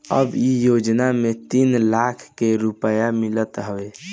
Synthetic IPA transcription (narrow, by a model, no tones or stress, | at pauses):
ə̰bijod͡ʒnamet̪inlakʰkeɾupəjamilət̪ɦəʋe